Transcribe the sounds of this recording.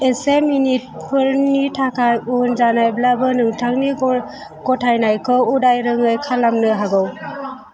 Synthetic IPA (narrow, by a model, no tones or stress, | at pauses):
eseminit̚pʰɯɾnitʰakʰajunzanajblabɯnɯŋtʰaŋni | ɡɔtʰajnajkʰɯudajɾɯŋɯjkʰalamnɯɦaɡɯw